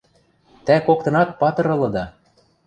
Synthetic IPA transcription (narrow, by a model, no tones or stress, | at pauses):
t̪ækok̚t̪ɤ̆nɑt̪̚pɑt̪ɤ̆ɾɤ̆lɤ̆d̪ɑ